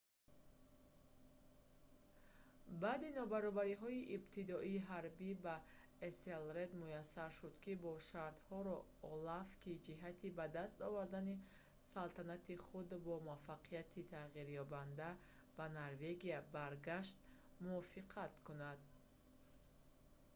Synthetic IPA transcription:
baːd̪inɔbaɾɔbaɾiɦɔiʔibt̪ʰid̪ɔiːɦaɾbiba | eselɾed̪mujasːaɾʃud̪kibɔʃaɾt̪hɔɾɔ | ɔlafkʰid͡ʒiɦat̪ʰibad̪ast̪ɔvaɾd̪ani | salt̪ʰanat̪iχud̪bɔmafaqʰijat̪ʰit̪ʰaʁiɾjɔband̪a | banaɾve̞ɡiabaɾɡaʃt̪ | muɔfiqʰat̪kʰunad̪

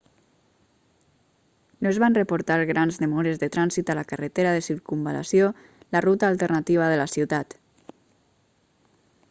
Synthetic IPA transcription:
noezβanrəpuɾt̪aɾɣɾanzðəmɔɾezðət̪ɾanzit̪alakarət̪eɾaðəsiɾkumba̰la̰sio | larut̪aːlˠt̪ərnat̪iβ̞aðəlasiwt̪at̪

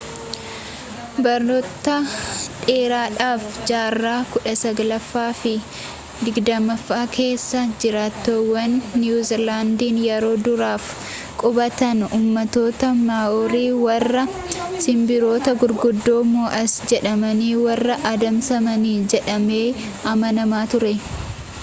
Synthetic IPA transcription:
bɐɾnot̪ːɐᶑe̞ːɾaːᶑaːfd͡ʒaːrːaːkʊᶑɐsɐɡɐlɐfːaːfɪ | d̪ɪɡd̪ɐmɐfːaːkʰe̞ːsːɐd͡ʒɪɾaːt̪ːoːwːɐnːjuːzɪɾlaːnd̪iːnjɛɾo̞ːd̪ʊɾaːf | kʼʊbɐt̪ɐnuːmːɐt̪o̞ːt̪ɐmaːʔoːɾiːwɐrːɐ | sɪmbɪɾo̞ːt̪ɐɡʊɾɡʊd̪ːo̞ːmoːʔɐsd͡ʒɛᶑɐmɐniːwɐrːɐʔɐd̪ɐmsɐmɐniːd͡ʒɛᶑɐme̞ː | ɐmɐnɐmaːt̪ʊɾɛ

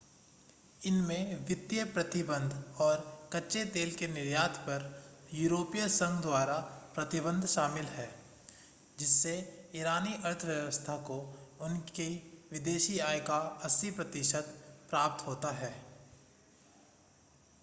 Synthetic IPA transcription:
ɪnmẽʋɪt̪jəpɾɐt̪ɪbə̃nd̪ʱɔːɾkɐːʃet̪eːlkenɪɾjaːt̪ʰpɐɾjuːɾoːpijəsə̃ŋɡd̪waːɾapɾɐt̪ɪbə̃nd̪ʱʃaːmɪlɦɛː | d͡ʒɪsːeɪɾaːniʔɐɾt̪ʰəʋjɐʋəst̪ʰakoʊnkiʋɪd̪eːʃiaːjkaɐsipɾɐt̪ɪʃəd̪pɾaːp̚t̪ɦoːt̪aɦɛː

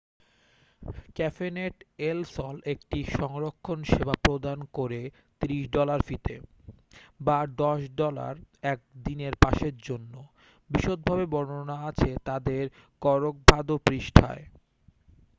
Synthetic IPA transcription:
kɛfeneʈelsɔlek̚ʈiʃɔŋɾokʰːonʃebapɾod̪ankoɾe | t̪iɾiʃɖɔlaɾfit̪ḛ | baɖɔʃɖɔla̰ɾɛk̚d̪ineɾpaʃeɾd͡ʑonːo | biʃod̪̚bʱabebɔɽonaat͡ɕʰet̪ad̪eɾkɔɾok̚bʱad̪opɾiʃʈʰa̰e

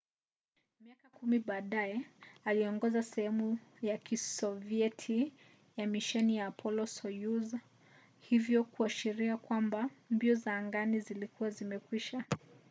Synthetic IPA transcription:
miakakumiɓaːɗajɛaliɔŋɡɔzasɛhɛmujakisɔviɛtʰi | jamiʃɛnijaːpʰɔlɔsɔjuza | hivjɔkuaʃiɾiakwambambiɔzaːŋɡanizilikuwazimɛkwiʃa

